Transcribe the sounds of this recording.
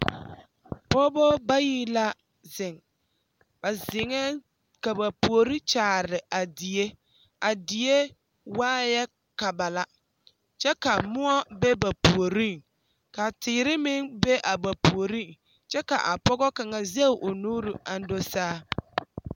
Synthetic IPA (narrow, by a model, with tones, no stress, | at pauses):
pɔː˦bɔ˦ba˦jiː˦la˦ | zɪ˨ŋ | b̥a˨zɪ˨ŋɛ˦ | ka˨ba˨pu˨o˨ɾi˦t͡ʃaː˨ɾɪ˨ʔa˨di˨e˦ | a˨di˨e˦ | waː˦jɛ˦ | ka˨ba˨la˦ | t͡ʃɛ˦ka˨mʊ˦ɔ˦bɛ˦ba˨pu˨o˨ɾi˦˨ŋ | ka˨tɪː˨ɾɪ˦mɪ˦ŋbe˦ʔa˨ba˨pu˨o˨ɾi˦˨ŋ | t͡ʃɛ˦ka̰˨ʔa˨pɔ˦ɣɔ˦ka˨ŋa˨ze˦˨ʔo˨nuː˦ɾu˨a˨n˦do˦saː˦